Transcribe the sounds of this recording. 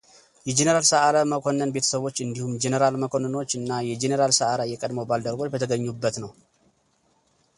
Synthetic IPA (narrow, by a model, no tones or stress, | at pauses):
jɛd͡ʒenəɾalsəʔaɾaməkʰonːənbe̞t̪ʰə̥səβo̞t͡ʃːɨnd̪ihumd͡ʒenəɾalməkʰo̞nəno̞t͡ʃːɨnːajɛd͡ʒenəɾalsəʔaɾajːɛkʼəd̪məwbald̪əɾɡot͡ʃbət̪ʰəɡəɲːubːət̪nəw